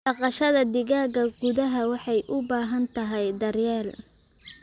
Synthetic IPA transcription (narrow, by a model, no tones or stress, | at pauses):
ɑqɑʃɐðɐd̪ɪɣaːɣɐɡʊðɐɦɐwɑħɑjʔʊbaːɦɐnt̪ʰɐɦɛjd̪ɐrjɛːl